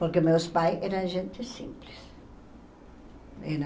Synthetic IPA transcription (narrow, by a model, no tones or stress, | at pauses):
poɾkɪmewspajɛɾɐ̃ʒẽnt̪ɪsḭ̃mplɪs | ḛn